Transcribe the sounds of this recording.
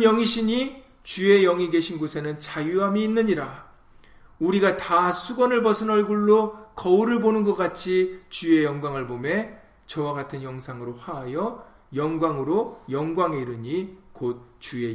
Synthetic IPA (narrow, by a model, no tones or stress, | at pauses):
jʌŋiɕʰiɲi | t͡ɕue̞jʌŋiɡe̞ɕʰinɡosʰe̞nɯnt͡ɕajuɦamiːnːɯɲiɾa | uɾiɡatasʰuɡwʌnɯɭbʌsʰɯnʌɭɡuɭːokʌuɾɯɭbonɯnɡʌk͈at͡ɕʰit͡ɕue̞jʌŋɡwaŋɯɭbome | t͡ɕʌwaɡatʰɯnjʌŋsʰaŋɯɾoɸaɦajʌ | jʌŋɡwaŋɯɾojʌŋɡwaŋe̞iɾɯɲikot̚t͡ɕue̞